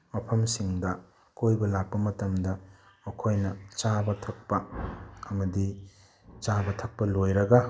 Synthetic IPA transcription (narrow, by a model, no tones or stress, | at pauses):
mɐpʰɐmsiŋdɐ | kojbɐlak̚pɐmɐtɐmdɐ | okʰojnɐt͡ʃabɐtʰɐk̚pɐɐmɐdi | t͡ʃabɐtʰɐk̚pɐlojɾɐɡɐ